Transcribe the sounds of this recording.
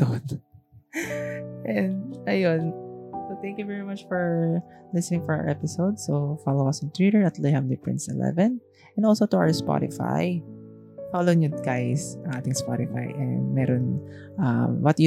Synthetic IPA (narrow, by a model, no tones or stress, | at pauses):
t̪on | ʔɛnd̪ʔɐjonsot̪ɛ̃ŋkjuvɛɹimat͡ʃfɔɹlɪsɛnɪ̃ŋfɔɹa̰ɹʔɛpɪsowd̪sofalowɐsɔ̃nt̪ɹiɾɛɹɐt̪lɛhãmd̪ipɹɪ̰̃nsɛ̰lɛ̰vɛ̃n | ʔɛnd̪ɔlsot̪ʊa̰wə˞spɔ̰ɾɪ̰fa̰j | faloɪŋʊɡajsɐ̃ŋʔaːt̪ɪŋspɔɾɪfa̰jʔɛ̰nd̪mɛɾonʔɐmwɐt̪ju